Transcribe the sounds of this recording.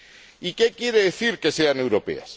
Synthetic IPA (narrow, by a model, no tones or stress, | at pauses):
ike̞kje̞ɾeðeθiɾke̞seane̞wɾo̞pe̞̰a̰s